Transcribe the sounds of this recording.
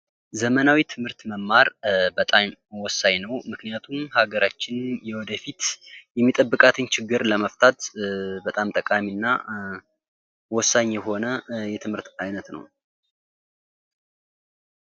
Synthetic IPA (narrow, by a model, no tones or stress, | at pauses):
zəmənawit̪ʰɨmhɨɾt̪məmːaɾbət̪ʼamwɔsːaɲnəwmɨknijat̪ʰumhaɡəɾat͡ʃːɪnjɛwɔd̪əfit̪jɛmːit̪ʼəbːɨkʼat̪ʰɨnt͡ʃʰɪɡːɨɾləməft̪ʰat̪bət̪ʼamt̪ʼəkʼamiɨnːa | wɔsːaɲːjɛho̞nəjɛt̪ʰɨmhɨɾt̪ajnət̪nə̰w